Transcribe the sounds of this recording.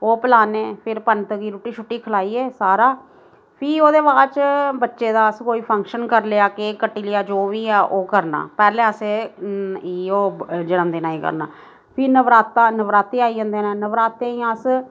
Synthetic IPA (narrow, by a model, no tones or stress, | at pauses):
oːpəlaːneːpʰɪɾpənt̪kiːɾuːʈiːt͡ʃʰʊʈːiːkʰəlaːiːɛːsaːɾaː | pʰiːoːd̪eːʋaːt͡ʃbətːʃeːd̪aːəskoːiːpʰəŋkʃənkəɾleaːkekəʈːiːlɪjaːd͡ʒoːʋiːɛːʔoːkəɾna̰ːpɛːlɛ̃ːəseː | iːoːd͡ʒəɽə̃nd̪eːnaːiːkə̰ɾna̰ː | pʰiːnəʋɾaːt̪aːnəʋɾaːt̪eːaːiɦə̃ːnd̪eːnãːnəʋɾaːt̪ːẽːĩːãs